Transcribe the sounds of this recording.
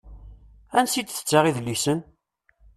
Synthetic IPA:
ænsid̪θə̥t͡sːaʁiðlːisən

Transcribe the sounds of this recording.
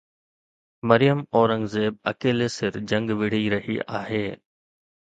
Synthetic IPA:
məɾɪjəmoːɾə̃ŋɡzeːb̚ɐ̰keːleːsɪɾd͡ʒɐ̃ŋɡʋɪɽ̤iɾɐɦḭːʔa̰ːɦeː

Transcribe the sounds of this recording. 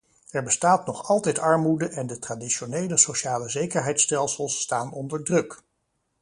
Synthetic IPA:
ɛɹbəstaːtnɔχɑlˠtɛjtɑɹmudəʔɛndətradiʃonejləsowʃaːləzejkəɹɦɛjtstɛlˠsəlˠstaːnɔndəɹdrɵk

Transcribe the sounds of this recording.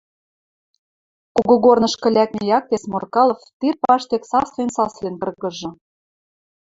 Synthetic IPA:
kuɣŏɣornɤ̆ʃkə̆lʲæk̚mʲĕjɑk̚t̪esmorkɑlˠŏft̪irpɑʃt̪eksɑslensɑslenkɤ̆rɣɤ̆ʒɤ̆

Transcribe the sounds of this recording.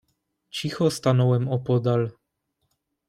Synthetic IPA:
t͡ɕixɔst̪anɔwɛmɔpɔd̪al

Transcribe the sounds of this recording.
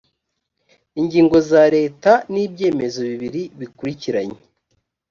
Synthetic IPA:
iɲɟiːŋɡo̞zaɾe̞ːtaniːbje̞ːme̞zo̞βiβiɾiβikuɾiciɾaɲe

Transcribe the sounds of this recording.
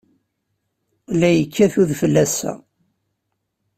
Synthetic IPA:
læjəkʰːæθuðfəlːæsæ̰

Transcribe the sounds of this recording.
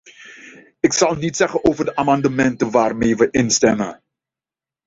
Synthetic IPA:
ɪksɑlˠnitsɛχənoːwvəɹdəʔaːmɑndəmɛntəʋaːrmejʋəʔɪnstɛmə̰n

